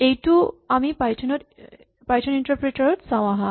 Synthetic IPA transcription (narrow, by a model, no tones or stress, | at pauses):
ejʈuamipajt͡ɕʰnoɾ | pajt͡ɕʰoniɳʈɐɾpɾeʈaɾoʈsaw̃aɦa